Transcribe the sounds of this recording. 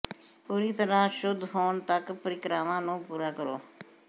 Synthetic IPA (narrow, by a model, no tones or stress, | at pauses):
puːɾiːt̪əɾãːʃʊd̪ʱɦoːɳt̪əkpəɾɪkɾaːʋãːnũːpuːɾaːkəɾo̰ː